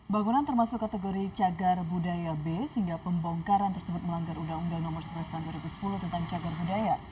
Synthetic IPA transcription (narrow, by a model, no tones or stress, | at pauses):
baŋunant̪ərmasʊkːat̪eɡoɾit͡ʃaɡarbudajabesəɦiŋɡapəmbɔŋkaɾant̪ərsəbʊt̪̚məlaŋɡarudaŋudaŋnɔmərsəblast̪aɦunduaɾibusə̥pulʊht̪ənt̪aŋt͡ʃaɡarbudaja